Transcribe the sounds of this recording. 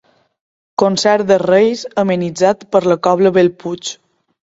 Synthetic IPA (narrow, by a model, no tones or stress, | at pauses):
konsɛɾd̪ərejsəminid͡zat̪pəɾləkɔβləβelˠput͡ʃ